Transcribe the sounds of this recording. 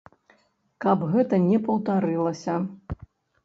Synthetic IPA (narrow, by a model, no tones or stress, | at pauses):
kɐbɣɛt̪ɐnʲɛpɐwt̪aɾɨlˠɐsʲɐ